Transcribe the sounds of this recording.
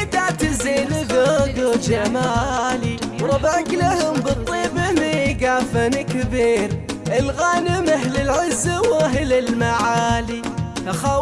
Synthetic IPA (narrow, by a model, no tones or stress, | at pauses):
t̪aʕt̪ɪzeːnɪɡaɡod͡ʒamaːliwɾˤɑbʕaklahʊmbɨt̪ˤːiːbɪmɪɡaːfanɪkbiːɾʔɪlɣaːnɪmaɦlɪlʕɪzːawaɦlɪlmaʕaːlihaxa